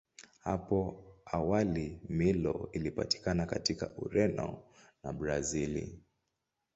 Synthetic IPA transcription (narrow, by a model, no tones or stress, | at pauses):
hapɔawalimilɔilipa̰ti̥kanakatika̰ʔuɾɛnɔ̰ | nabɾazilḭ